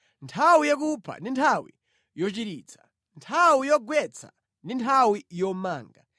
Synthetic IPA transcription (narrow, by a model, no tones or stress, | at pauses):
ntʰawijak̬upʰa̰ndintʰawḭ | jɔt͡ʃiɾiːt͡sʰḁ | ntʰawijɔɡwɛt͡sʰa̰ | ndintʰawijɔmaːŋɡa